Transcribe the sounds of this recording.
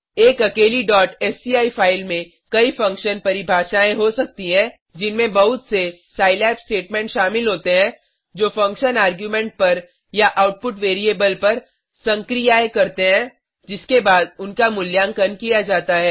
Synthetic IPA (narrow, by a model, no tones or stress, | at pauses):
eːkɐkeːliɖɔːʈɛːsiaːipʰaːɪlmẽ | kɐifɐ̃ŋkʃənpɐɾɪibʱaːʃaːẽɦosɐk̚t̪iɦɛ̃ | d͡ʒɪnmẽbɐɦʊt̪sesaːɪlɛːpsʈeːʈmɛ̃ːɳʈʃaːmɪlɦoːt̪eɦɛ̃ | d͡ʒoːfɐ̃ŋkʃənaːɾɡjumɛ̃ːɳʈ̚pɐɾ | jaʔaːʊʈ̚pʊʈʋeːɾieːbəlpɐɾ | sɐ̃ŋkɾijaekɐɾt̪eɦɛ̃ | d͡ʒɪskebaːd̪ʊnkamʊljaːŋkɐnkijad͡ʒaːt̪aɦɛː